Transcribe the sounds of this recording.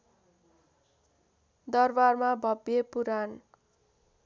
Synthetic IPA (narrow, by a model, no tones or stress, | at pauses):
d̪ʌrbarmabʱʌbjepuɾan